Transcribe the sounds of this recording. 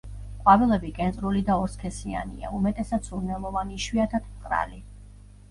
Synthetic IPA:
qʼwavilˠɛbikʼɛnsʼɾulid̪aɔɾskʰɛsia̰nḭa̰umɛt̪ʼɛsat̪sʰuɾnɛlˠɔvaniʃwiat̪ʰat̪ʰmqʼɾa̰li

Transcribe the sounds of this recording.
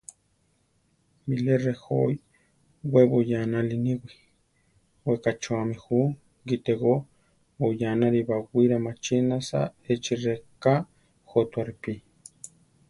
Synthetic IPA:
milerexoj | wʷeβojanaliniwʷi | wekat͡ʃuamĩxu | ɡit̪eɣo | bojanaɾiβaɡʷiɾamat͡ʃinasa̰et͡ʃireka | xot̪waɾipi

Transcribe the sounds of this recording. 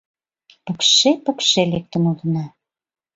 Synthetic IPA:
pə̆kʃepə̆kʃelek̚t̪ə̆mud̪ə̆nɑ

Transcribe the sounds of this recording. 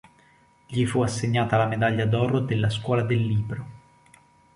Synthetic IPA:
ʎifuasːeɲːaːt̪alamed̪aʎːad̪ɔɾod̪elːaskwɔːlad̪elːiːbɾo

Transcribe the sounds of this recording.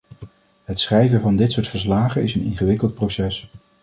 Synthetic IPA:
ɦətsχrɛjvəvɑndɪtsʊːɹtfəɹslaːχənɪsənɪ̰nχəʋɪkəlˠt̚prosɛs

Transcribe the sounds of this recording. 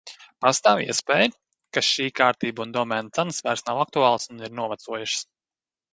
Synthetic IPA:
past̪aːwḭɛspɛːj | kaʃiːkaːɾt̪iːbund̪ɔmɛnt̪sansvæɾsnawak̚t̪uaːlˠsuniɾnuɔvat̪suɔjuʃs

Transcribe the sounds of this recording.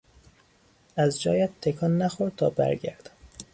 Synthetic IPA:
æzd͡ʒɒːjæt̪ʰːekʰɒːnːæxoɾd̪̚t̪ʰɒːbæ̰ɾɟæ̰ɾd̪̥

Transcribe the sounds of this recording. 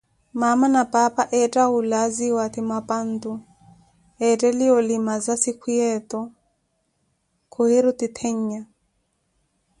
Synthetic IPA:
mamanapʼapaʔɛtʼaulaziwat̪imapʼant̪u | ɛtʼɛliɔlimazasikʰwiɛt̪ɔ | kʰuheɾut̪it̪ʰɛɲ̩ɲa

